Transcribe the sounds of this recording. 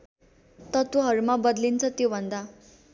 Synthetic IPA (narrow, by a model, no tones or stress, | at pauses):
t̪ʌt̪oɦʌɾumabʌd̪lint͡sʰʌt̪jobʱʌnd̪a